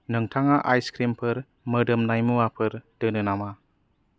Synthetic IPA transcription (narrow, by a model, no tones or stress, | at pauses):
nɯŋtʰaŋaʔajskɾimpʰɯɾ | mədɯmnajmɯapʰɯɾd̥ɯnɯnama